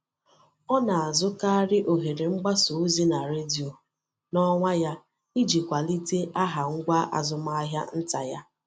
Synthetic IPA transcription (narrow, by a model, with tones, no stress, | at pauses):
ɔ˦na˨a˨zʊ˦ka˦ɾɪ˦ʔo˨ɦe˨ɾe˨ŋ͡m̩˦ɡ͡ba˦so˨u˦zi˦na˨ɾe˦di˨o˨ | nɔ˦ŋʷa˦ja˦ | i˦d͡ʒi˨kʷa˨li˦te˦ʔa˦ɦa˨ŋ̩˦ɡʷa˦ʔa̰˨zʊ˦ma˦a˦ɦja̰˦n̩˦ta˨ja˦